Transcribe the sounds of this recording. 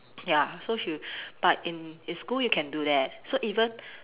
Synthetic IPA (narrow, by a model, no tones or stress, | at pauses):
jasoʃub̥at̚ĩninskuljukʰɛ̃ndudɛt̚soʔivə̃n